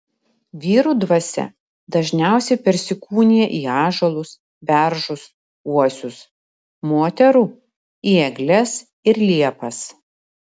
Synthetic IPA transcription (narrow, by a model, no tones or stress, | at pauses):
ʋʲiːɾuːd̪ʋɐsʲɛ̰ | d̪ɐʒʲnʲæˑʊsʲɛɪpʲɛɾʲsʲɪkuːnʲiːjɛʔiːɑːʒolˠʊs | bʲæɾʒʊs | uɔsʲʊs | moːt̪ʲɛɾuː | iːɛɡlʲɛs | ɪɾlʲiɛpɐs